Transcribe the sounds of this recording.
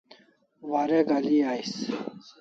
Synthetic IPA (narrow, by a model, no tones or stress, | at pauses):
waɾeɡaliaːjs